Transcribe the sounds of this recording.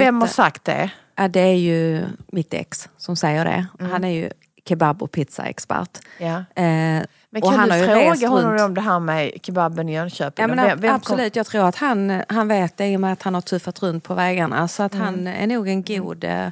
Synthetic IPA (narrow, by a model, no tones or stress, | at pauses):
vɛmhaʂakt̪̚d̪ɛ̰ | jad̪ɛæɾjɵmɪt̪ːɛ̰kssɔmsɛjːəɖɛ̰hanæɾjɵ̰ | kʰɛbabːɔ̰pʰɪt̪sa̰ɛ̰kspæ̰ɾʈja | mɛnɔanhanhaɾjɾoːɡaɔnnːɔmɔmd̪ɛɦæɾmɛkʰababːənɪjœnɕøːpjaːmɛnvɛab̥sɔlʉ̟ːt̪jɑːɡ̚t̪ʰɾuːɾat̪hanɦanveːt̪̚d̪ɛɪjɔmɛat̪hanhaʈʰɵfat̪ɾɵnt̪̚pʰɔvɛːɡaɳa̰sɔat̪hanæ̰ɳuːɡɛnɡuːd̪